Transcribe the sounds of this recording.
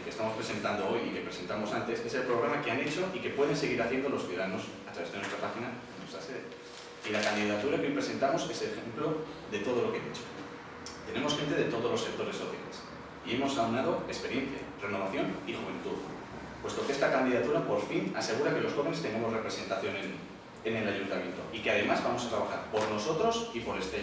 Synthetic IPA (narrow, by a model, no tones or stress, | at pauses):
ke̞st̪amo̞spɾe̞se̞nt̪and̪o̞o̞jike̞pɾe̞se̞nt̪amosant̪e̞se̞se̞lpɾo̞ɣɾamakeane̞t͡ʃo̞ʔike̞pwe̞ð̞e̞ns̬e̞ɣ̞iɾaθje̞nd̪oloθjuðaðano̞s | at̪ɾaβe̞zðnwe̞st̪ɾapaxinaenwest̪ɾase̞ðḛ | ilakand̪iðat̪uɾakeimpɾese̞nt̪amo̞se̞selexemplo̞ | ðe̞t̪o̞ð̞o̞lo̞keḛðit͡ʃo̥ | t̪e̞ne̞mo̞sxe̞nt̪e̞ðe̞t̪o̞ðolose̞k̚t̪o̞ɾe̞so̞θja̰les | ie̞mo̞sawnað̞o̞e̞speɾje̞nθja̰re̞no̞β̞aθjo̞nixuβẽ̞nt̪uð | pwe̞st̪o̞kee̞st̪akand̪iðat̪uɾapo̞ɾfinase̞ɣ̞uɾake̞lo̞sxo̞βe̞ne̞st̪e̞ŋɡamore̞pɾese̞nt̪aθjo̞nen | ene̞laʝunt̪amje̞nt̪o̞̰ikeað̞e̞mazβamo̞sat̪ɾaβ̞axaɾpo̞ɾno̞so̞t̪ɾo̞sipo̞ɾe̞st̪e